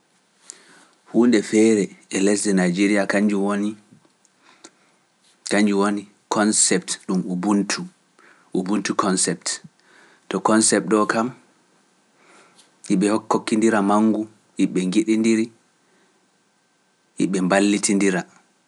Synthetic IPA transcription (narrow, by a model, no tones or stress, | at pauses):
huːndɛfɛɾɛɛlɛs̬dɛnajd͡ʒeɾijakaɲd͡ʒuwoni | kaɲd͡ʒuwoni | kʰɔnsɛptɗumubuntʰu | ʔubuntukɔnsɛp̚t | tɔkɔnsɛp̚ɗɔkam | iɓɛhokːokːindiɾamaŋːɡu | ʔiɓɛŋɡiɗindiɾi | ʔḭɓɛmbalːitindiɾa